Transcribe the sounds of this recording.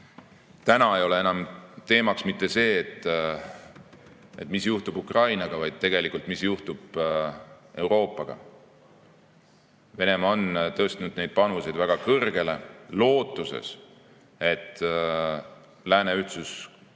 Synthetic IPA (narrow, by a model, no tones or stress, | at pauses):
t̪ænɑejo̞le̞e̞nɑmt̪e̞ːmɑksmit̪ːe̞se̞ːt̪ːˑ | e̞̰t̪misjuht̪ubukrɑjnɑɡ̥ɑvɑjd̪̥̚t̪e̞ɡ̥e̞likːˑult̪ˑmisjuht̪ub̥ | e̞wɾo̞ːpːˑɑɡ̥ɑ̰ | ve̞ne̞mɑo̞nt̪ɤːst̪nud̪ne̞jd̪̚pɑnuse̞jd̪̥væɡ̥ɑkɤrɡ̥e̞le̞lo̞ːt̪ːˑuse̞̰s | e̞t̪ːˑ | læːne̞yht̪sus